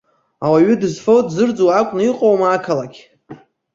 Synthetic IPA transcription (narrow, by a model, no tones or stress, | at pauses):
awaɥʏdɨzfowdzɨrd͡zowakʷʼnɨiqʼowmakʰalakʲʰ